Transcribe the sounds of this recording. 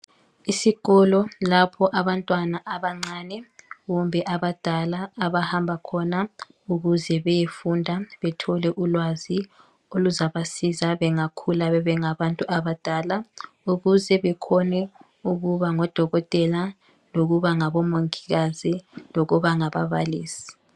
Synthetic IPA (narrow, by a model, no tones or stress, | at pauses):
isiɣɔlɔlapʰɔʔaβantʼwanaʔaβaŋ͡ǀaːnɛɣumbʱɛʔaβad̥ʱalaːβahambʱakʰɔna | uɣuzɛβɛjefundʱaβɛtʰɔlɛʔulwazi | oluzaβasizaβɛŋakʰulaβɛβɛŋaβantʼuʔaβad̥ʱaːla | uɣuzɛβɛkʰɔnɛ | uɣuβaŋɔd̥ʱɔɣɔtʼɛla | loɣuβaŋaβɔmoŋiɣaziloɣuβaŋaβa̰βa̰liːsi̥